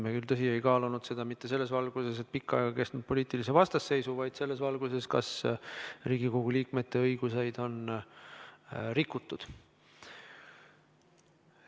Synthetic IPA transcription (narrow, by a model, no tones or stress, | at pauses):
mekylt̪ɤs̬iejkɑːlunud̪se̞d̪̥ɑmit̪ːe̞se̞lːe̞svɑlɡ̥use̞s̬e̞t̪̚pikːˑɑeɡ̥ɑke̞st̪nud̪̚po̞lʲiːt̪ˑilis̬evɑst̪ɑsːe̞jsuvɑjd̪̥se̞lːe̞svɑlɡ̥use̞skɑ̰s | riːɡ̥iko̞ɡ̥uliːkme̞t̪ːe̞ɤjɡ̥use̞jd̪o̞n | ɾikːˑut̪ːˑud̪̥